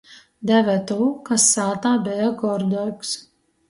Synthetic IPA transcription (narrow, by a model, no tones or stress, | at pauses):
d̪ʲæʋʲæt̪ɔːkɐsːaːt̪aːbʲɛɛɡɔɾd̪ɔks